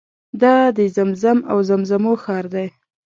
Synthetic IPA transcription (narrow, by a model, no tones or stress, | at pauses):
d̪ɑd̪əzamzama̰wzamzamoxɑɾd̪aj